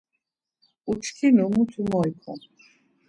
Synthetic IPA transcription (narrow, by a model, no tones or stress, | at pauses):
ut͡ʃʰkʰinumut̪ʰumɔjkʰɔ̰